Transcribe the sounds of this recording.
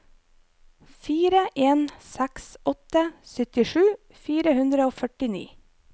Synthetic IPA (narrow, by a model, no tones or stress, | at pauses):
fiːɾəʔeːnsæksɔt̪əsʏt̪ɪʃʉː | fiːɾəhʉnd̪ɾəoːfœʈɪnḭː